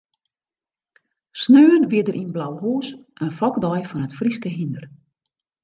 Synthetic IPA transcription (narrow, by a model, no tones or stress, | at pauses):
snøːənʋɪədərʔinblawhuːsʔənfɔkdɔjfɔnətfriskəɦindər